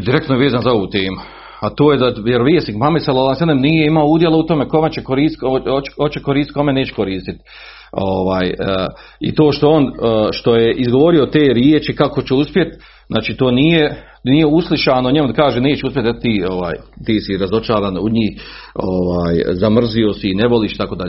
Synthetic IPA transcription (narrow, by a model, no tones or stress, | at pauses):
d̪iɾekt̪nojeʋeːzaːnzao̞ʋuːt̪eːmu | at̪oːjed̪ajeɾʋijesikmamiselolansenemnijeimaouːd̪jelaut̪o̞meko̞met͡ɕekoɾiːst̪t̪koo̥kot͡ʃekoɾiːst̪ko̞meneːt͡ʃe̥koɾiːst̪it̪ | oʋaːjə | ḭt̪o̞ːʃt̪o̞onːʃt̪o̞jeʔizɡoʋo̞ɾio̞t̪eːɾjeːt͡ʃikako̞t͡ɕeuspjet̪ | nʔa̰ːt͡ʃiːt̪o̞ːniːje | niːjeuslˠiʃaːnoɲemud̪akaːʒene̞ːt͡ɕeuspjet̪et̪iːoʋa̰ːjt̪iːsiɾazo̞t͡ʃaːɾaːnṵɲiːhoʋaːjzamr̩ziosineʋo̞liːʃit̪akoːd̪aʎ